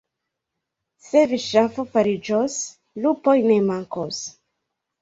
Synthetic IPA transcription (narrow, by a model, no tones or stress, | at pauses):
se̞viʃafofaɾid͡ʒos | lupojnemaŋkos